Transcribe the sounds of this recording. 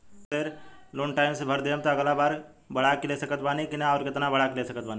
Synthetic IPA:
t̪eɾloːnʈaːɪmsebʱəɾd̪ijəmt̪aːɡlabaːɾ | bəɽ̤akɪlesəkət̪̚baːnikɪnaɔːɾkɪt̪nabəɽakɪlesəkət̪baːni

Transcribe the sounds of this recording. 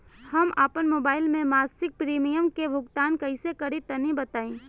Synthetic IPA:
hɐmaːpənmoːbaːɪlmẽmaːsɪk̚pɾiːmijəmkebʱʊɡt̪aːnkɐɪsekɐɽit̪ɐnibɐt̪aːĩː

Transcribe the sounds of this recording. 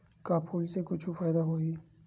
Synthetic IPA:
kaːpʰuːlsekʊt͡ʃʰufaːjd̪aɦoːi

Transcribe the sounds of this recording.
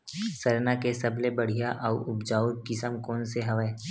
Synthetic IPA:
sɐɾnakesɐblebɐɽ̤ijaʔɐʊbd͡ʒaːud̪̚kɪsəmkɔːnseɦɐʋɛ

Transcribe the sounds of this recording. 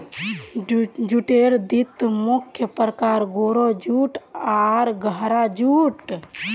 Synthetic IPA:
d͡ʒuʈeɾd̪it̪mukʰjəpɾəkaɾɡoɾod͡ʒuʈaɾɡʱəɦɾad͡ʒuʈ

